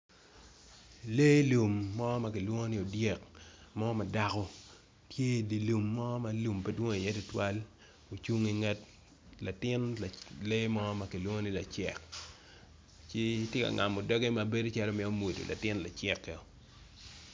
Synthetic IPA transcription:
le˦lu˨mːɔ˦ma˦k̬ɪ˨lwo˦ŋo˦nɪ˦o˨dje˨kmɔ˦ma˨da˦kɔ˦ | tje˦˨di˨lu˨mːɔ˦ma˨lu˨mpe˦dwo˦ŋ˨i˨je˦tʊ˦twa˦l | o˨t͡ʃu˦ŋi˦ŋɛ˦t | la˨tɪ˦na˨le˦mɔ˦ma˨kɪ˨lwo˦ŋo˦ni˦la˨t͡ʃɪ̰˨k | t͡ʃe˦tjɪ˦ka̰˨ŋa̰˨mo˨dɔ˦ɡɛ˦ma˨be˦do˦t͡ʃɛ˦ɾo˦mɪ˦o˦mo˨do̰˨lʔa̰˨tɪ˦nla˨t͡ʃɛ˦kːɛ˨o˨

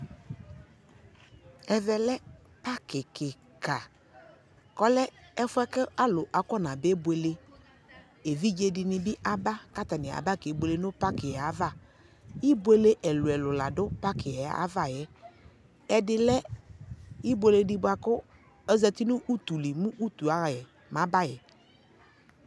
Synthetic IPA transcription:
ɛ˨vɛ˨lɛ˦ | pa˦kɪ˨kɪ˨ | ka˨ | kɔ˦lɛ˦ɛ˦fʊ˦ɛ˦kɪ˦a˦lʊ˨ʔa˨kɔ˦nã˨be˦be˨le˦ | e˨vi˦d͡ʒe˨dɪ˨nɪ̃˨bɪ˦ʔa˨ba˦ka˦t̪a˨nɪ̃˨a̰˨ba˦ke˨˦bʷe˨le˦nʊ̃˦pa˦kɪ˨ɛ˨a˨˦va˦˨ | ji˦bwe˦le˦ʔɛ˨lʊ˨ɛ˨lʊ˨la˨dʊ˦pa˦kɪ˨ɛ˨a̰˦va˦˨jɛ˨ | ɛ˨dɪ˦lɛ˦ | i˦bʷe˦le˨dɪ˦bʊ˦a˨kʊ˦ | ɛ˦zɛ˦t̪i˦nʊ̃˦ʔu˦t̪u˨li˨mũ˦ʔu˦t̪u˨a˨jɛ˨ | mã˨˦ba˦jɛ˨

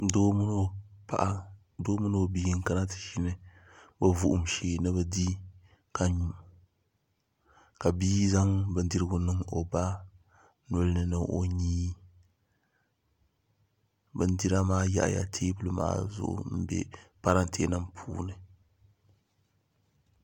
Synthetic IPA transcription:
do˦m˦pa̰˨ʔa˦ | doː˦mɨ˦n˦o˨bi˦ŋ˦ka˦na˦tɨ̥˨ʃi˦nɨ˦ | bɛ˦vu˦ʔʊ˨mʃeː˨nɨ˦bɛ˦di˦ | ka˨ɲu˦ | ka˨biː˦za˦ŋbɨ˨˦ndi˦ɾɨ˦ɡʊ˦nɨ˦ŋo˨ba˦ | nʊ˦lnɨ˨nɨ˨ʔo˦ɲiː˦ | bɨ˦n˦di˦ɾa˦maː˦ja̰˦ʔja̰˨tʰeː˦bɨ˦lɨ˦ma̰ː˦zʊ̰˦ʔʊ̰˦m̩˦bɛ̰˦pa˦ɾa˦n˦tʰe˦nɨ˦mpʰṵː˦nɨ˨

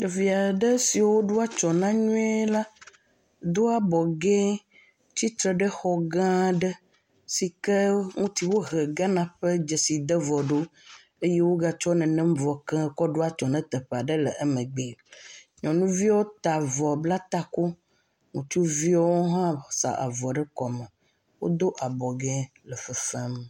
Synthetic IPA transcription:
ɖɛ˨vi˨a˨ɖə˦si˨wo˦ɖo˦a˦t͡ʃɔ˨nã˦ɲũ˦ɛ˦la˦ | d̪o˦a˨bɔ˨ɡɛ̃˦ | t͡ɕi˦t̪ɾɛ˨ɖə˦xɔ˨ɡã˦ɖə˦ | si˨kə˦ŋũ˦t̪i˦wo˦ɣɛ˨ɡa˦nã˨ɸə˦d͡ʒɛ˨si˨d̪ə˦vɔ˨ɖo˦ | e˦je˦wo˦ɡa˦t͡ʃɔ˦nɛ̃˨nɛ̃˦m˦vɔ˨kɛ̃˦kɔ˦ɖo˦a˦t͡ʃɔ˨nɛ̃˦t̪ə˨ɸa˨ɖə˦lə˨ʔə˦mə̃˨ɡ͡be˨ | ɲɔ̃˨nũ˦vi˦wo˦t̪a˨vɔ˨bla˦t̪a˦ko˦ | ŋũ˨t͡ʃu˦vi˦ɔ˦wo˦ɦã˦sa̰˨ʔa̰˨vɔ˨ɖə˦kɔ˨mə̃˨ | wo̰˦d̪o˦ʔa˨bɔ˨ɡɛ̃˦ | lə˨fə˦fɛ˦m˨

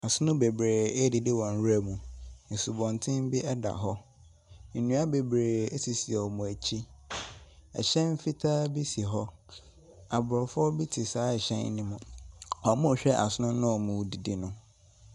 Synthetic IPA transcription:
a˨sʊ˦nʊ̃˦be˨bɾeː˨e˦dɪ˨dɪ˦wɔ̃˨n˦wu˦æ˦mũ˨n̩˨su˨bɔ̃˨ntʰɪ̃˦m˦bi˦ʔɛ˦da̰˨ɦɔ˦ | n̩˨nũ˦a˦be˨bɾeː˨e˦si˨si˨ɛ˨ɔ˨mũ˨æ˨t͡ɕʰi˦ | ɛ̰˨ɕɛ̃˦m˦fi˦tʰaː˦bi˦si˨ɦɔ˦ | a˨bʊ˨ɾɔ˨fɔ˦bi˦tʰi˨saː˨˦ɛ˨ɕɛ̰̃˦n˦nĩ˦mʊ̃˨hɔ˨mʊ̃˦˨ɕᶣɛ˦ʔa̰˨sʊ˦nʊ̃˦nʊ̃˦ɔ˨mũ˨di˨di˨nʊ̃˦

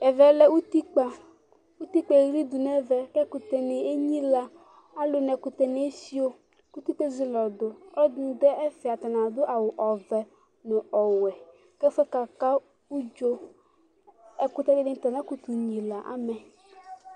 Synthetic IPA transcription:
ɛ˨vɛ˨lɛ˦wu˦t̪i˦k͡pa˨ | u˦t̪i˦k͡pɛ˨ɾi˦d̪u˨nɛ˦vɛ˨kɛ˦ku˨t̪ɛ˨ne˨e˦ɲĩ˦la˨ | a˦lo˨nɛ˨ku˨t̪ɛ˨ne˦si˦o˦ | ku˦t̪i˦t̪e˦zi˨lɔ˨d̪o˨ɔ˦dũ˦d̪ɛ˦ɛ˦fe˨a˨t̪a˨nã˨d̪ʊ˦ʔa˨wʊ˨ʔɔ˨vɛ˨ | nõ˨ʔɔ˨wɛ˨ | kɛ˦fɛ˦ka˨ka˦ | u˦d͡ʒo˦ | ɛ˦kʊ˦t̪ɛ˦de˦de˦n˦t̪a˨nã˦ku˦t̪u˨ɲĩ˨la˨ʔa̰˨mɛ˨

